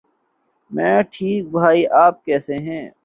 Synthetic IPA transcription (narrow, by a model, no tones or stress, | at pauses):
mɛ̃ːʈʰiːk̚bʱaːiʔaːp̚kɛːseɦɛ̃ː